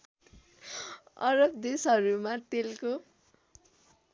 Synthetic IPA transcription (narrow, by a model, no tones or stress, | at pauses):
ʌɾʌb̚d̪esɦʌɾumat̪elko